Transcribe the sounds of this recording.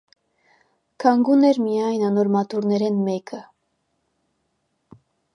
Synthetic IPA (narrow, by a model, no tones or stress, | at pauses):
kʰɑŋɡunɛɾmijɑjnɑnɔɾmɑt̪uɾnɛɾɛnmɛkʰə